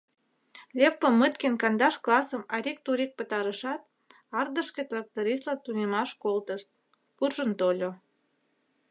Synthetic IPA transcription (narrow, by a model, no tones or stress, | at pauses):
lʲepːəmːət̪kenkɑnd̪ɑʃklɑsəmɑɾʲik̚t̪uɾʲik̚pət̪ɑɾəʃɑt̪̚ | ɑrd̪əʃket̪rɑk̚t̪oɾʲist̪lɑnt̪unemɑʃkolt̪əʃt̪̚ | purʒənt̪olʲo